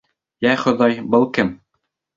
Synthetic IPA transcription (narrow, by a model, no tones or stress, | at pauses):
jæχŏðɑjbɤlˠkɘm